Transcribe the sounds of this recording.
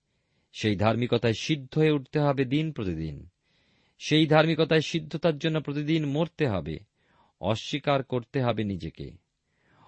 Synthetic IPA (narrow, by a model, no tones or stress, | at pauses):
ʃejd̪ʱaɾmikot̪aeʃid̪ʱːoeuʈt̪eɦɔbed̪inpɾot̪id̪ḭn | ʃejd̪ʱaɾmikot̪aeʃid̪ʱːot̪aɾd͡ʑonːopɾot̪id̪inmoɾt̪eɦɔ̰bḛ | ɔ̰ʃːikaɾkoɾt̪eɦɔbenid͡ʑekḛ